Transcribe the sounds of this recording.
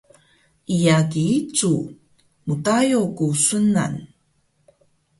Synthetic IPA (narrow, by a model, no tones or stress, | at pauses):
ʔijakiit͡su | mutajokusəna̰n